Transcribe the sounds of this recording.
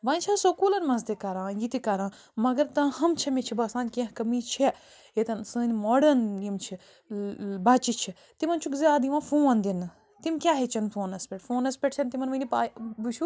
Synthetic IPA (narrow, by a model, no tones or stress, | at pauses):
ʋãːnʲt͡ʃʰasokuːlɐnmɐ̃zd̪ekɐɾãːjit̪ikɐɾãː | mɐɡɐɾt̪ɐ̃hɐmt͡ʃʰɐmet͡ʃʰibɐːsãːnʲkẽɦkɐmiːt͡ʃʰi | jet̪ɐnsɨnimoːɖɐnimt͡ʃʰi | baːt͡ʃit͡ʃʰi | t̪imɐnt͡ʃʰukziaːd̪iʋãːfũːãnd̪in | t̪imʲkʲaːɦet͡ʃʰɐnfoːnɐspʲeʈfoːnɐspʲeʈ̚t͡ʃʰɐnt̪imɐnʋɐnipaːbut͡ʃʰu